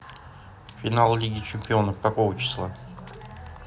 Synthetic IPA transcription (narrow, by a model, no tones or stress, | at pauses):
fʲɪnalˠlʲiɡʲɪt͡ɕɪmʲpʲɪo̞nəfkɐkovət͡ɕɪ̥slˠa